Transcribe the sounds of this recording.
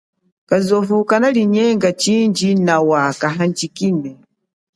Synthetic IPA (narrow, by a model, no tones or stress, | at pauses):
kazɔvukanaliɲɛŋɡat͡ʃind͡ʒinawakaɦaɲt͡ʃikinɛ